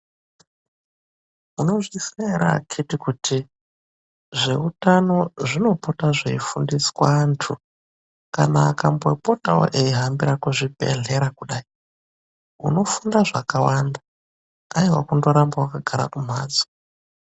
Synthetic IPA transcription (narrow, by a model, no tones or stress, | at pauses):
uno̞ʐiseɾa̰kʰitikutʰi | ʐe̞utano̞ʐino̞potaʐeifundiswaːntʰu | kanaːkambo̞potawo̰ʔeiɦambiɾakuʐipḛɮe̞ɾakuɗaːi | uno̞fundaʐakawanda | aiwakundoɾambawakaɡʱaɾa̰kum̤a̰ːd͡zo̥